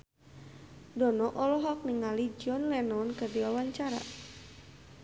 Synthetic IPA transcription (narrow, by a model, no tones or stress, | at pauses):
dɔnɔʔɔlɔɦɔk̚niŋalid͡ʒiɔnlɛnɔnkərdiwawaɲt͡ʃaɾa̰